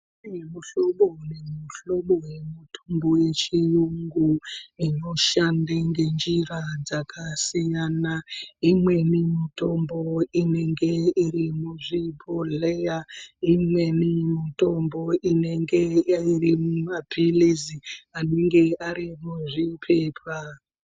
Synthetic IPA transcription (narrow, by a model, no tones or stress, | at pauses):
imuɬo̞ɓonemuɬo̞ɓowe̞mutʰomboje̞t͡ʃijuŋɡuino̞ʃandaŋɡe̞nd͡ʒirad͡zakʰasijanaimwe̞nimito̞mbo̞ine̞ŋɡe̞iɾimuʐipʰolejaimwe̞nimito̞mbo̞ʔine̞ŋɡe̞airimumapiliziane̞ŋɡe̞aɾimuʐipʰe̞ːpʰa